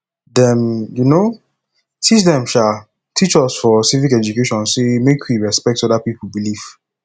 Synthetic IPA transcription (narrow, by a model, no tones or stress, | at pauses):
dɛ̃mjuno | tʰit͡ʃdɛ̃mʃa | tʰit͡ʃɔsfɔsivikɛd͡ʒukeʃɔ̃nsemekʰwiɹɛspɛk̚tɔdapipl̩biliv̥